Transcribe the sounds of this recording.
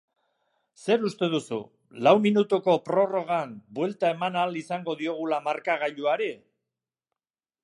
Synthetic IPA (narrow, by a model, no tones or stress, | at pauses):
se̞ɾust̪e̞ð̞usṵ | lawminut̪uko̞pɾo̞ro̞ɣ̞ambwe̞lt̪ae̞manalisaŋɡo̞ðio̞ɣ̞ulamaɾkaɣ̞aʎuaɾe